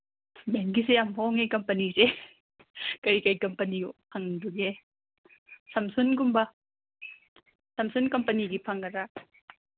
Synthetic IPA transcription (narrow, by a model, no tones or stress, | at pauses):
beŋɡis̬ejamhoŋekɐmpɐnise | kɐjkɐjkɐmpɐnipʰɐŋduɡe | sɐmsunɡumbɐ | sɐmsunkɐmpɐniɡipʰɐŋɐɾa